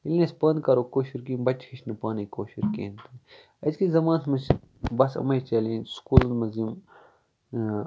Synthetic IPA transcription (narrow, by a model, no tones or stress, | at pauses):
ilnɐsʲpɐnd̪kɐɾoːkoːʃiɾkiːmbɐt͡ʃhiʃnɨpaːnikoːʃiɾkḛːnt̪ɐn | ɐzkizɐmãːnsmɐt͡ʃ | bɐsɐ̰mɐjt͡ʃɐliːnskuːlɐnmɐzim